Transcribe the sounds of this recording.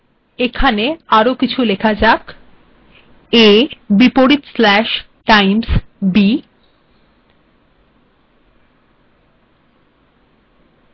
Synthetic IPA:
ekʰaneaɾokit͡ɕʰulekʰad͡ʑak | ebipoɾit̪slɛʃ | ʈajmsbi

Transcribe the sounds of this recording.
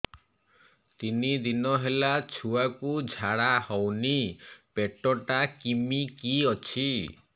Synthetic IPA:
t̪inid̪inɔɦelat͡ʃʰuakud͡ʒʱaɽahɔwnipeʈɔʈakimikiɔt͡ʃʰi

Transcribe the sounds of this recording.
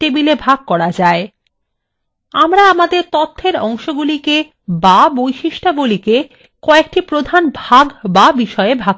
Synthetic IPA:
tebilebʱaɡ̚kɔɾad͡ʑae | amɾaamad̪eɾt̪ot̪ʰːeɾɔŋʃoɡulike | babojʃiʃʈaɡulike | kɔek̚ʈipɾod̪ʱanbʱaɡbabiʃɔeebʱaɡ

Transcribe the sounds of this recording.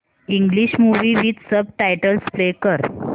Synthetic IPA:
iŋɡliɕmuʋiːʋit̪səb̚ʈajʈəlsplekəɾ

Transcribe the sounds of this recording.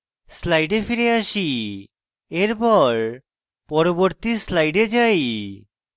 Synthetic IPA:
slajɖefiɾeaʃi | eɾpɔɾ | pɔɾoboɾt̪islajɖed͡ʑaj

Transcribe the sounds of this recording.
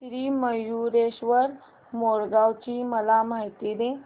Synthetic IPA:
sɾiːməjuɾeɕʋəɾ | moɾɡawt͡ɕiːməlamaɦit̪id̪e

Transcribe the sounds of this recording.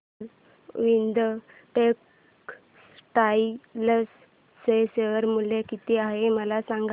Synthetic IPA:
ʋind̪ə | ʈek | sʈailəsː | eseəɾmulekit̪iaɦeməlasaŋɡ

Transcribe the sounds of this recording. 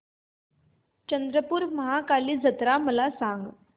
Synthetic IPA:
t͡ɕənd̪ɾəpuːɾməɦakaliːd͡zʱət̪ɾaməlasaŋɡ

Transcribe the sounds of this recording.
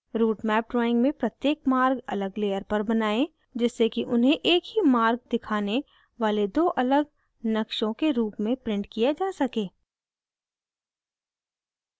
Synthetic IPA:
ɾuːʈmɛːp̚ɖɾɔːɪ̃ŋɡmẽpɾɐt̪jeːkmaːɾɡɐ̰ləɡleːjəɾpɐɾbɐnaːẽ | d͡ʒɪsːekiʔʊnɦẽʔeːkɦimaːɾɡ̚d̪ɪkʰaːne | ʋaːled̪oːʔɐləɡ | nɐkʃõkeɾuːpmẽpɾɪ̃ɳʈkijad͡ʒaːsɐkẽː

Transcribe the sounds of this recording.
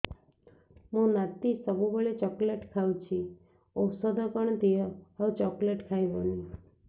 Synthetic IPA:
mũnat̪ːisəbubəɭet͡ʃɔkleʈkʰawũt͡ʃʰi | owsɔd̪apəɳd̪ijɔat͡ʃɔkleʈkʰajbonĩ

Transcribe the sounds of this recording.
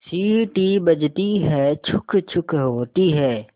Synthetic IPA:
siːʈiːbəd͡ʒt̪iɦɛːt͡ʃʰʊkʰt͡ʃʰʊkʰɦoːt̪iɦɛː

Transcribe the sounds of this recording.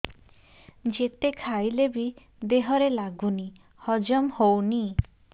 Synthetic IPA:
d͡ʒet̪ekʰajlebi | d̪eɦɔɾelaɡuni | hɔd͡ʒɔmhowni

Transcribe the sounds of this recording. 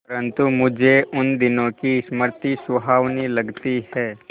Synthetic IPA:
ɐɾə̃nt̪umʊd͡ʒʱeʔʊnd̪ɪnõkisməɾt̪iswɐɦaːʋnilɐɡt̪ihɛː

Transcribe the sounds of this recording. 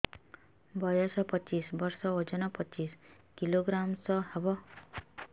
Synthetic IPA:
bɔjɔsɔpɔt͡ʃisbɔɾsɔod͡ʒɔnɔpɔt͡ʃis | kiloɡɾamsɔhebɔ

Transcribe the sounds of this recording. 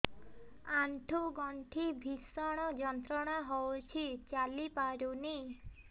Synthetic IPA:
aɳʈʰuɡɔɳʈʰibʱisɔɽ̃ɔd͡ʒɔnt̪ɾɔɽ̃aɦowt͡ʃʰit͡ʃalipaɾuni

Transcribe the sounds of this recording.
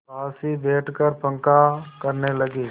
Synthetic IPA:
aːsibeːʈkəɾpə̃ŋkakəɾneləɡiː

